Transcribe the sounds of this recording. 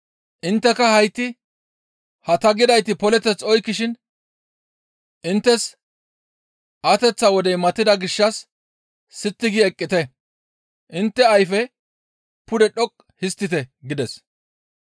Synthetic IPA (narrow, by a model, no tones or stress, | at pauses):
ʔɪnt̪ːɛkɐhɐjt̪ːɪ | hɐt̪ɐɡɪd̪ɐjt̪ɪpɔlɛt̪ɛt͡sɔjkːɪʃɪn | ʔɪnt̪ːɛs | ʔɐt̪ɛt͡sːɐwɔd̪ɛjmɐt̪ːɪd̪ɐɡɪʃːɐsː | ɪt̪ːɪɡɪɛkʼːɪt̪ɛ | ʔɪnt̪ːɛɐjfɛ | pʊd̪ɛɗɔkʼ | hɪst̪ːɪt̪ɛɡɪd̪ɛs